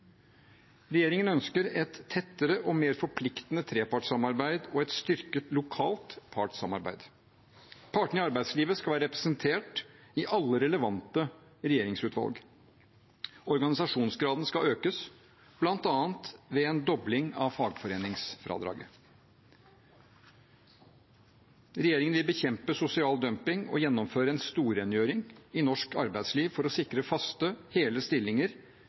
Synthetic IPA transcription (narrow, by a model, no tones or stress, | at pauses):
ɾɛjeːɾɪŋənœnskəɾɛt̪ʰːɛt̪ːəɾəʔɔmeːɾfɔɾpʰlɪkt̪ənət̪ʰɾeːpɑʈsɑmɑɾbæɪd̪ɔɛt̪st̪ʏɾkət̪lʊkʰɑːlt̪pʰɑʈsɑmɑɾbæ̰ɪd̪ | pʰɑːʈɳəɪɑɾbæɪd̪sliːʋəskɑʋæːɾəɾɛpɾɛsənt̪ʰeːʈɪʔɑlːəɾɛləʋɑnt̪əɾɛjeːɾɪŋsʉːt̪ʋɑ̰lɡ | ɔɾɡɑnɪsɑʂuːnsɡɾɑːd̪n̩skɑøːkəs | b̥lɑnt̪ɑːənt̪ʋɛeːnd̪ɔblɪŋɑʋfɑːɡfɔɾeːnɪŋsfɾɑ̰ːd̪ɾɑ̰ːɡə | ɾɛjeːɾɪŋənʋɪlbəçɛmpəsʊsɪɑːld̪œmpɪŋɔ̰jɛnːɔmføːɾəɛnst̪uːɾɛnjøːɾɪŋɪnɔʂkɑ̰ɾbæɪd̪sliːʋfɔɾɔsɪkɾəfɑst̪əheːləst̪ɪlːɪŋəɾ